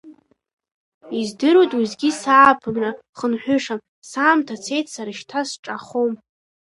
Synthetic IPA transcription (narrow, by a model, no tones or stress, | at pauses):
izdɨɾotʼwizɡʲisaːpʰɨmra | χənħʷᶣʏʂam | saːmtʰat͡sʰe̞jtʰsaɾɨʃtʰasʈ͡ʂʼaχom